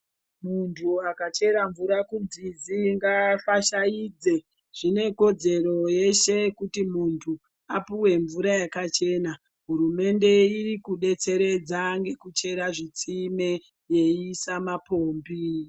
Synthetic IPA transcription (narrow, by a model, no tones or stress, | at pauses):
muntʰuakat͡ʃe̞ɾaɱvuɾakunzid͡ziŋɡafaʃaiːd͡ze̞ | ʐ̥ine̞ko̞d͡ze̞ro̞je̞ʃe̞kutimuntʰu | apuwe̞ɱvuɾajakat͡ʃe̞ːna | ɦuɾume̞nde̞irikuɗe̞t͡se̞ɾe̞d͡zaŋɡe̞kut͡ʃe̞ɾaʐit͡sime̞ | je̞iːsamapoːmbi